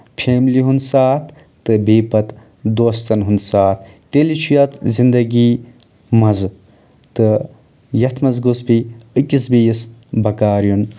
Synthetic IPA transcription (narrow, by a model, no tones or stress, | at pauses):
pʰeːmiliɦunsaːt̪ʰː | ɨbiːpɐt̪ | d̪oːst̪ɐnɦunsaːt̪ʰt̪ːelit͡ʃʰujɐt̪zind̪ɐɡi | mɐz | t̪ɨ | jɐt̪ʰmɐzɡusbiɨkʲisbijisbɐkaːɾjun